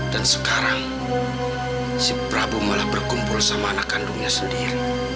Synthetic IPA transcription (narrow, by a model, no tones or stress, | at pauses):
d̥ansə̥kaɾaŋ | sipɾabumalahbərkumpʊlsamanakanduŋɲasəndiɾi